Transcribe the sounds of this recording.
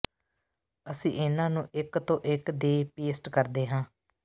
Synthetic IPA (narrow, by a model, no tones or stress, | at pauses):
əsḭ̃ːʔɪnãːnũːʔɪkt̪õːʔɪkd̪eːpeːsʈkəɾd̪eːɦãː